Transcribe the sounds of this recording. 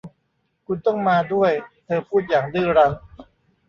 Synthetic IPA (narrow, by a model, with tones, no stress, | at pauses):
kʰu˧nt̪ɔ˥˩ŋmaː˧du˥˩əjt̪ʰɤː˧pʰuː˥˩t̪̚jaː˨˩ŋdɯː˥˩ɾa˧ŋ